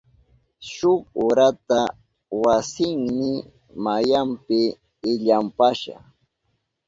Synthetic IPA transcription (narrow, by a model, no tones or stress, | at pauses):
ʃʊkʊɾat̪a | wasɪŋmɪ | majampɪː | ʎampaʃa̰χ